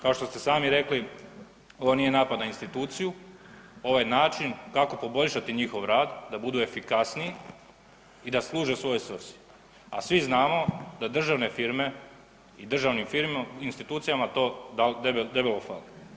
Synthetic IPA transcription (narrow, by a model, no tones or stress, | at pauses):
kao̞ʃt̪o̞st̪e̞saːmiɾe̞kli | o̞ʋonijenaːpad̪nainst̪it̪uːt̪siju | o̞ʋajnaːt͡ʃinkako̞po̞bo̞ʎʲʃat̪iɲixo̞ʋɾaːd̪d̪abud̪ue̞fikasnii | id̪aslˠuːʒe̞sʋo̞josʋsi̥ | asʋiznaːmo̞d̪ad̪r̩ʒaʋne̞fiɾme̞ | id̪r̩ʒaʋnimfiɾinst̪it̪uːt̪sijamat̪oːad̪ebelofali